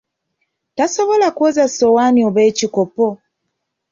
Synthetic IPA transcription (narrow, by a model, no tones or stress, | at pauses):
taso̞βo̞lakwozasowanioβeːcikopo